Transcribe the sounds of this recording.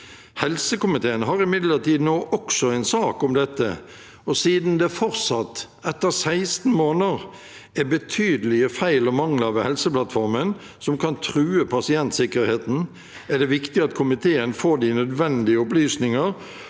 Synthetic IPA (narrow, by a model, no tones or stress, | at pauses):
hɛlsəkʊmɪt̪ʰeːənɦɑɾɪmɪd̪ləʁt̪iːd̪noːʔɔksɔɛɪnsɑːkɔmd̪ɛt̪ːə̰ | ɔsiːd̪n̩d̪ɛfɔɾt̪sɑt̪ː | ɛt̪ːəʁsæɪst̪n̩moːnəʁ | ɛbət̪ʰyːd̪əlɪəfæɪlɔmɑŋlɑʋhɛlsəplɑt̪fɔɾmən | sɔmkʰɑnt̪ʰɾʉːəpʰɑsɪɛnt̪sɪkəɾheːt̪n̩ | æd̪ɛʋɪkt̪ɪɑt̪kʰʊmɪt̪ʰeːənfoːd̪iːnœd̪ʋɛnd̪ɪəʊplyːsnɪŋəʁ